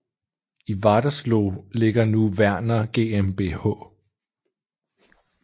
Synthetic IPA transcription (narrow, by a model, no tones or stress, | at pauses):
iʋɑd̥ɐsloːle̝ɡ̥ɐnuʋæɐ̰nɐɡ̥e̝ːemb̥e̝̰hɔ̰̽ː